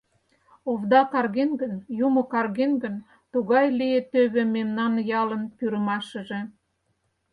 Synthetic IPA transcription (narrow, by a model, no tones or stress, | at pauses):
ovd̪ɑkɑrɣenɡənjumokɑrɣenɡən | t̪uɣɑjlijet̪øβĕmemnɑnjɑlənpyɾəmɑʃəʒe